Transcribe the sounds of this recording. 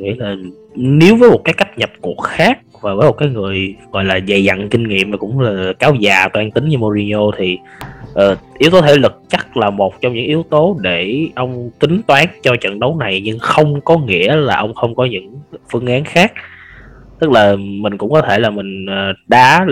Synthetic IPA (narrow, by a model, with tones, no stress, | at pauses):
ŋḭ˧˥laː˨˩ | ne˨˦əwvəː˨˦jmo˨˩t̚kaː˨˦jka˦˥jk̟̚ɲə˨˩p̚ku˨˩ək̚xaː˦˥k̚vaː˨˩vəː˨˦jmo˨˩kaː˨˦jŋɨ˨˩əjɣɔ̰˧˨jlaː˨˩za˨˩jza̰˧˨ŋnkï˧ŋ̟ŋḭ˧˨əmmaː˨˩kʊ̰˧˥ŋ͡mlaː˨˩kaː˨˦wzaː˨˩t̪waː˨˦ŋt̪ï˨˦ŋɲɨ˧mo˧zi˧o˧t̪ʰi˨˩ | ʔəː˨˩ʔi˨˦ət̪o˨˦˥t̪ʰe˧˩lɨ˨˩k̚t͡ɕa˦˥k̚laː˨˩mo˨˩t̚t͡ɕɔ˧wŋ͡mɲɨ̰˧˥ŋʔi˨˦əwt̪o˨˦ɗe˧˩ʔə˧wŋ͡mt̪ï˨˦ŋt̪waː˨˦nt͡ɕɔ˧t͡ɕə̰˧˨nɗə˨˦wna˨˩jɲɨ˧ŋxə˧wŋ͡mkɔ˨˦ŋḭ˧˥əlaː˨˩ʔə˧wŋ͡mxə˧wŋ͡mkɔ˨˦ɲɨ̰˧˥ŋfɨ˧əŋʔaː˨˦nxaː˦˥k̚ | t̪ɨ˦˥k̚laː˨˩mï˨˩ŋ̟kʊ̰˧˥ŋ͡mkɔ˨˦t̪ʰe˧˩laː˨˩mï˨˩ŋ̟ʔəː˨˩ɗaː˨˦